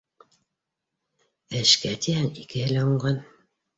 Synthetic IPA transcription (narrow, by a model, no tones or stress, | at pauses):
ɘ̆ʃkæt̪ihæŋikɘ̆hɘ̆læuɴɢɑn